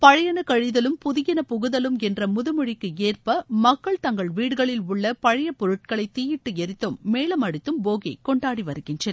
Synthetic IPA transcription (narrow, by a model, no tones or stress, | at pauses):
pɐɻɐjɐnɐkɐɻɪðɐlɯmpʊðɪjɐnɐpʊɣɯðɐlɯmɛndrɐmʊðɯmɯɻɪkːɯeːrpɐmɐkːɐɭt̪ɐŋɡɐɭʋiːɽɯɣɐɭɪlʊɭːɐpɐɻɐjɐpːɔɾɯʈ̚kɐɭɐɪt̪ːiːjɪʈːɯɛɾɪt̪ːɯmːeːɭɐmɐɽɯt̪ːɯmboːɣɐɪkɔɳɖaːɽiʋɐɾɯɣɪndrɐn